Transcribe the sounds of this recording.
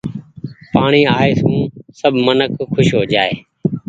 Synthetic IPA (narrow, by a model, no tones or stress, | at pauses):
paːɳiːaːeːsũːsəbʱmənəkʰːʊʃɦoːd͡ʒaːeː